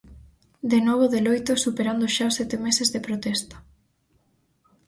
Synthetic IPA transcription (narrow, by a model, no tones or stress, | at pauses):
d̪enɔβ̞oðelojt̪osupeɾand̪oʃaosɛt̪emesezðepɾot̪ɛst̪ɐ̥